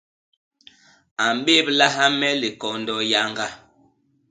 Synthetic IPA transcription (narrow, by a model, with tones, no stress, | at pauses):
a˨m˨ɓe˦bla˦ɦa˦mɛ˦li˨kɔ˨ndɔ˨ja˦ŋɡa˦